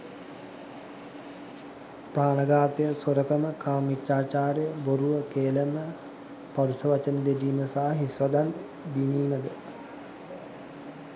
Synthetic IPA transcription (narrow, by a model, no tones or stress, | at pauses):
praːnəɡaːt̪əjəsoɾəkəməkaːmit͡ʃːaːt͡ʃaːɾejəboɾuʋəkeːləmə | paɾusɐʋat͡ʃənəd̪eɖiːməsaɦaɦisʋad̪an | biniːməd̪ə